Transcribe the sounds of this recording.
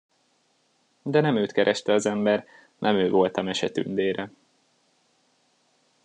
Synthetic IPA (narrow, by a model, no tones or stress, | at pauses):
d̪ɛnɛmøːt̪kɛɾʔɛʃt̪ɛɒzɛmbɛr | nʔɛmøːvo̞lt̪ɒmɛʃɛt̪y̰nd̪eːɾɛ